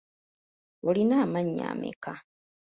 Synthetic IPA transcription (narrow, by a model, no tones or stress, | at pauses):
olinaːmaɲːa̰ːmḛka